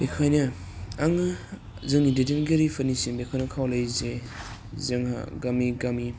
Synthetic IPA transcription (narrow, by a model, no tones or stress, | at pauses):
b̥ekʰajnɐ | aŋɯ | zɯŋidedenɡeɾipʰanisinbekʰajnɐkʰawlajze | zeŋha̰ɡamiɡami